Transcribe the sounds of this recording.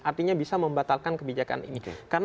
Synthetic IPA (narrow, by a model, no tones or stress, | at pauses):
ʔart̪iɲabisaməmbat̪alkankəbid͡ʒaka̰nʔḭnikaɾən